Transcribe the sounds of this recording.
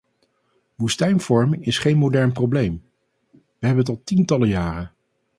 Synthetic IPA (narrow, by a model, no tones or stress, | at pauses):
ʋustɛjnv̥ɔɹmɪŋɪsχejnmodɛɹnprowblejm | ʋəɦɛbənətɑlˠtintɑləjaːrə